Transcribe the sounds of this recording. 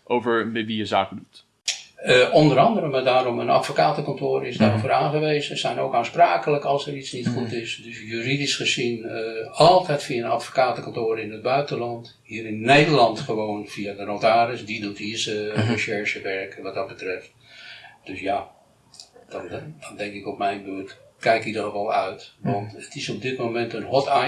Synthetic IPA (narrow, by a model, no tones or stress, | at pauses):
ʔowvəɹmɛtʋijəzaːkədut | əʔɔndəɾɑndəɾəmadaːɾɔmənɑ̰tfokaːtəkɔntoːɾɪzdaːɾovəraːnχəʋejzəsɛjnowkanspraːkələkɑlˠsəɾisnitχutɪsdɵsjyridisχəzinəɑlˠtɛjtfiaənɑ̰tfo̥kaːtəkɑntʊːɾəɪnəd̚bœɥtənlɑnt | ɦiːɾɪnːejdərlɑntχəʋownv̥iadənotaːɾɪsdidotisəvəʃɛɹʒəʋɛɹkəʋɑt̚dɑd̚bətrɛft | d̥ɵsja | d̥nd̥ɑndɛŋkɪkɔpmɛjnbøɹtkɛjkidərəʋɔlˠœɥtʋɑntətɪsɔb̚dɪt̚mowmɛntənɦɔta